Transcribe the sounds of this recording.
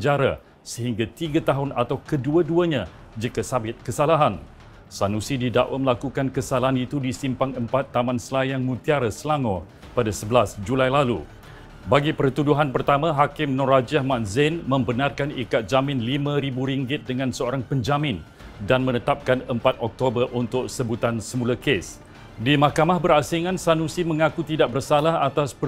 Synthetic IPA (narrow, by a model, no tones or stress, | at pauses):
d͡ʒaɾa̰ | səɦiŋɡat̪iɡat̪aɦʊnat̪awkəduaduaɲã | d͡ʒəkasabɪt̪̚kəsalaɦan | sanũsidida̰ʔwaməlakukankəsalaɦanit̪udisimpaŋəmpat̪ːamãnsəlajaŋmũt̪iaɾasəlaŋɔ | padasəbəlasd͡ʒulajlalṵ | baɡipərt̪uduɦanpərt̪amãɦakɪmnɔɾad͡ʒiahmãnzɪnmə̃mbənarkanikat̪̚zamɪ̃nlimãɾibuɾiŋɡɪt̪̚dəŋãnsəoɾaŋpəɲd͡ʒamɪ̃n | danmə̃nət̪ap̚kanəmpat̪̚ɔk̚t̪obərʔunt̪ʊk̚səbut̪ansəmũlakes | dimahkamahbəɾasiŋãnsanũsimə̃ŋakut̪idaʔ̚bərsalaɦat̪aspə